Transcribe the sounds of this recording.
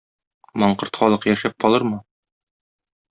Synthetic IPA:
mɒɴqɤɾt̪χɒlˠɤqjæʃæp̚qɒlˠɤɾmɤ

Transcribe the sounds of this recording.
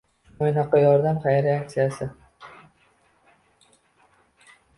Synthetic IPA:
ojnaqɒjɒɾd̪amχajɾeak̚t̪sijasɪ

